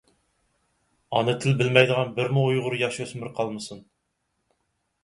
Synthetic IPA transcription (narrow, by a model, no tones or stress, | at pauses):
ɑnɨt̪ʰɪlbɪlmɛjd̪əʁɑnbɪɾmuujʁʊɾjɑʃøsmɪɾqʰɑlˠmɨsun